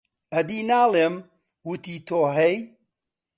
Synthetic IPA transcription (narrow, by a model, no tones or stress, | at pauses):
ɐd̪iːnaːlem | wut̪iːt̪ʰoːɦɛj